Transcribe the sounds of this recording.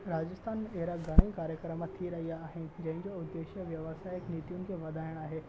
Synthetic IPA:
ɾaːd͡ʑəst̪ʰaːneɦɾaɡʱəɽ̃ə̃ĩkaːɾjəkɾəmət̪ʰiɾɐɦiaːɦend͡ʑɐ̃ɦɪ̃ɲd͡ʑoʊd̪ːeːʃjəʋjɐʋəsaːɪknit̪junɪ̆kʰeʋɐd̪ʱajəɽ̃aːɦe

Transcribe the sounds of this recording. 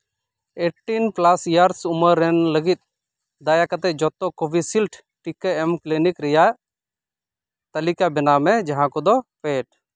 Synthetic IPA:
eʈinplasjaɾsuməɾːɛnləɡit̪̚ˀ | d̪ajakat̪ɛd͡ʒɔt̪ːɔkobʱisilʈʰ | ʈikəɛmklinikɾɛja | t̪ɐlikabɛnamɛd͡ʒaɦãkɔd̪ɔpeʈ̚

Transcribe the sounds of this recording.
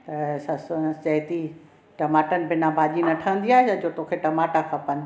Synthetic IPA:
t̪ɐsɐst͡ɕɐɦt̪i | ʈɐmaːʈənɪ̆bɪnãbʱaːʄinɐʈʰə̃ə̃nd̪iaːɦeɐd͡ʑoːt̪oːkʰeʈɐmaːʈakʰɐ̃pɐn

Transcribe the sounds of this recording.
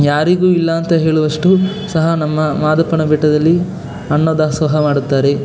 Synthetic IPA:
jaːɾiɡuːilːɐːnt̪ɐɦe̞ːɭuʋɐʂʈu | sɐɦɐnɐmːɐmaːd̪ɐpːɐɳɐbɛʈːɐd̪ɐlːi | ɐnːoːd̪ɐɐsʋɐɦɐmaːɽut̪ːaːɾe̞

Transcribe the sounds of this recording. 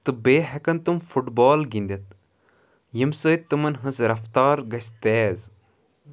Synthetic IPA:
t̪ɨbeːɦekɐnt̪umfuʈbɔːlɡind̪ʲɐt̪̚ | jimsəːt̪ːɨmɐnɦɐsɾɐft̪aːɾɡɐsʲt̪eːz

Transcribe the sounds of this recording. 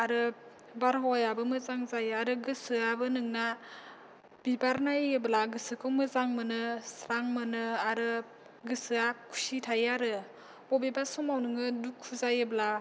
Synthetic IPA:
aɾɯ | baɾɦɔjabɯmɯzaŋzajaɾɯɡɯsɯabɯnɯŋna | b̥ibaɾnajɯblaɡɯsɯkʰɯmɯzaŋmɯnɯsɾaŋmɯnɯaɾɯ | ɡɯsɯakʰu̥sitʰajaɾɯ | bɔbebasɔmawnɯŋɯdukʰːuzajɯbla

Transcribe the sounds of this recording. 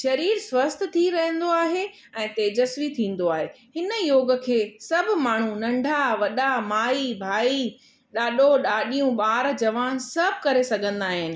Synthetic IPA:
ʃɐɾiːɾsʋɐst̪̆ʰt̪ʰiɾɐɦə̃nd̪oaːɦe | ɛ̃ːt̪eːd͡ʑəsʋit̪ʰĩːn̆d̪oaːɦe | hɪnjoːɡə̆kʰeːsɐb̆ʱmaːɳ̤ũnɐ̃ɳɖʱaʋɐɗamaːibʱaːi | ɗaːɗoɗaːɗijũɓaːɾd͡ʑɐʋaːnsɐbʱɪkɐɾesɐɡʱə̃nd̪aːɦɪnɪ̆

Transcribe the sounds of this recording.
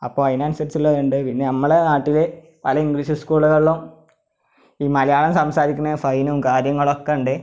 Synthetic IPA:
ɐpːoːɐjnaːnsɐɾsulːɐðɳɖɨpinːe̞nɐmːɐɭenaːʈːile | pɐlɐiŋɡliːɕɨskuːɭuɣɐɭɭum | iːmɐlɐjaːɭɐmsɐmsaːɾikʲːunːɐfɐjnumkaːɾjɐŋːɐɭokːeuɳɖɨ

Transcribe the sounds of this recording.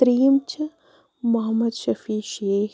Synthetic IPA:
t̪ɾiːmt͡ʃʰ | mɐɦɐmːɐd̪ʃɐfiːʃeː

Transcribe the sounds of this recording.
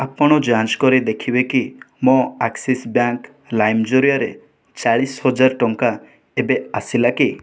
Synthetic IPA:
apɔɽ̃ɔd͡ʒand͡ʒkɔɾid̪ekʰibeki | mɔ̃aksisbjaŋk | lajmd͡ʒoɾijaɾḛ | t͡ʃaɭishɔd͡ʒaɾʈɔŋka | ebeasilaki

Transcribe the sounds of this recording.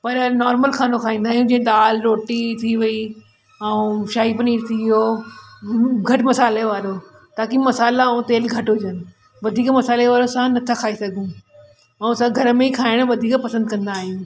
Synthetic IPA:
pɐɾnɔːɾməlxaːnokʰaːɦĩːnd̪aːɦijũd͡ʑ̃ːd̪aːlɾoːʈit̪ʰiʋɐi | ɐũʃaːipɐniːɾt̪ʰiʋijo | ɡʱɐʈmɐsaːleʋaːɾo | t̪aːkimɐsaːlaɐũt̪eːlɡʱɐʈɦʊd͡ʑənɪ̆ | ʋɐd̪ʱiːkmɐsaːleʋaːɾosãnɐt̪ʰakʰaːisɐɡ̪ʱũ | ɐũsãɡʱɐɾəmẽikʰaːɪɽ̃ʋɐd̪ʱiːkpɐsə̃nd̪kɐ̃nd̪aːɦijũː

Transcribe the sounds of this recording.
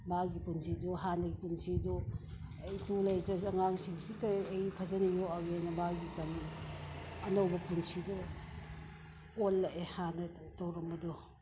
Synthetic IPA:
maɡipunsiduɦanɐɡipunsidɔ | jtulɐjtɐsɐŋaŋsiŋsitɐejpʰɐzɐnijoaɡenɐmaɡitɐn | ɐnɐwbɐpunsidɔ | olːɐʔehanɐ | tɐwɾɐmbɐdɔ

